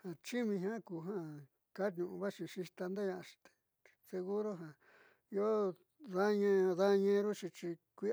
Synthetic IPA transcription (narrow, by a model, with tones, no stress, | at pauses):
hã˨t͡ʃi˦mĩ˧ɦã˦ku˧ɦã˦ | ka˦tɲũ˧˨ũ˧βa˦t͡ʃĩ˧ʃi˧t̪a˧nd̪e˦ɲã˧ʃi̥˧t̪e̥˧ | se˧ɣu˦ɾo˦ɦã˨ | i˧o˦ | ða˦ɲẽ˧ða˦ɲẽ˧˦˧ɾu˦t͡ʃi˧t͡ʃi˧kʷi˦